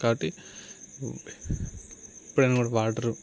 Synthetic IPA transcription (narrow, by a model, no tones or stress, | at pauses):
kaːbɐʈːi | ipːuɽɐjnakuːɽɐʋaːʈɐɾu